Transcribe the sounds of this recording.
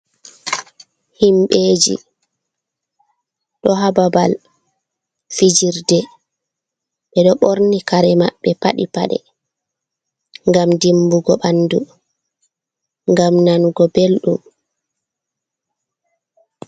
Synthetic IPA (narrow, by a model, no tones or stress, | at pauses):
himɓeːd͡ʒḭ | ɗɔɦababal | fid͡ʒiɾdɛ | ɓɛɗɔɓoɾnikaɾɛmaɓːɛpaɗipa̰ɗɛ̰ | ŋɡamdimbuɡɔɓanːdṵ | ŋɡamnanuɡɔbelɗṵm